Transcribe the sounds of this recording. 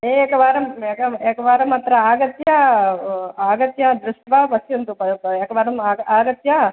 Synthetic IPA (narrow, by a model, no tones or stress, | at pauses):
eːeːkɐʋaːɾɐmeːkɐeːkɐʋaːɾɐmɐt̪ɾɐaːɡɐt̪jɐ | aːɡɐt̪jɐd̪ɾuʂʈʋaːʋɐsjɐnt̪upɐɐeːkɐʋaːɾɐmaaːɡɐt̪jɐ